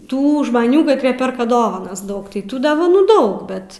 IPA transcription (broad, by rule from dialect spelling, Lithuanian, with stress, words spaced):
ˈtuː ʒmɐˈnʲuː kɐtʲˈrʲiɛ ˈpʲɛrkɐ ˈdoːʋɐnɐs ˈdɐʊk tɐɪ ˈtuː doːʋɐˈnuː ˈdɐʊk ˈbʲɛt